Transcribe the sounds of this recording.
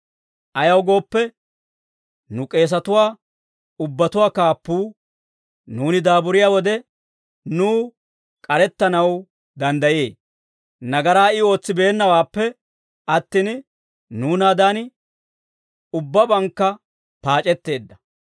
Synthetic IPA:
ʔɐjɐwɡo̞ːpːɛ | nʊkʼe̞ːs̬ɐt̪ʊwaː | ʊbːɐt̪ʊwaːkaːpːuː | nuːnɪd̪aːbʊɾɪjaːwɔd̪ɛ | nuː | kʼɐɾɛt̪ːɐnɐw | d̪ɐnd̪ɐjḛː | nɐɡɐɾaːɪo̞ːt͡sːɪbe̞ːnːɐwaːpːɛ | ɐt̪ːin | nuːnaːd̪aːn | ʊbːɐbɐŋkːɐ | paːt͡ʃʼɛt̪ːe̞ːd̪ːɐ

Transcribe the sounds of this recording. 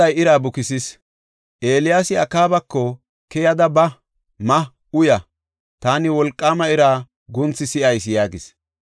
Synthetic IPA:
ɐjɪɾaːbʊkɪsɪs | ʔe̞ːlɪjaːsɪɐkaːbɐkːɔ | kɛjɐd̪ɐbɐ | mɐ | ʊjɐ | t̪aːnɪwɔlkʼːaːmɐɪɾaː | ɡʊnt͡sːɪsɪʔɐjsjaːɡɪs

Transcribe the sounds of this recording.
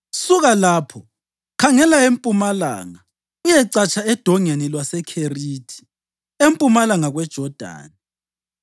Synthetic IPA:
suɣalaːpʰɔ | kʰaŋɛlaempʼumala̰ːŋa | ujɛǀat͡ʃʼaɛd̥ʱɔŋenilwasɛkʰeriːtʰi̥ | empʼumalaŋaɣwɛd̥ʒ̥ʱɔd̥ʱa̰ːni

